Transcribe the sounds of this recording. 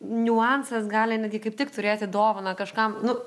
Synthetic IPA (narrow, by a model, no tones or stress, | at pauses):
nʲʊɑnsɐsɡɑːlʲɪnʲɛd̪ʲɡʲɪkɐɪpt̪ʲɪkt̪ʊɾʲeːt̪ʲɪd̪oːʋonɐkɐʃkɐmnʊ